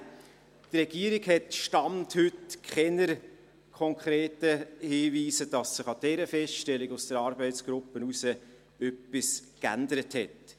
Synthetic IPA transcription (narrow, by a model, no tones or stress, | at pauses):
trɛɡ̥iəɾiɡhɛtʃtɑmthʏtkʰχɛnəɾ | kʰɔŋkʰɾeːtəhiːviːsəd̥ɑsːɪχɑd̥ɛɾəfɛsʃtɛliɡʊsd̥əɾɑːɾbɛɪtsɡ̥ɾʊpːənusə | œpːiskæ̰ndəɾəthɛt